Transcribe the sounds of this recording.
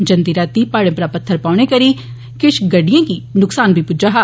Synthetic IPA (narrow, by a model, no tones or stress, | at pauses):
d͡ʒɐ̃nd̪iɾaːt̪ipaːɽẽpɾapɐt̪ʰːəɾpaːʊɽ̃ekɐɾi | kɪʃɡɐɖijãkinʊksaːnbʱipʊd͡ʒaɦaː